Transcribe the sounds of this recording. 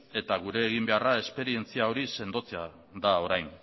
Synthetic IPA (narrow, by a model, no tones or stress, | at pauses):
e̞t̪aɣ̞uɾe̞ːɣ̞imbe̞arae̞spe̞ɾie̞nt͡siao̞ɾise̞nd̪o̞t͡sea | d̪ao̞ɾajn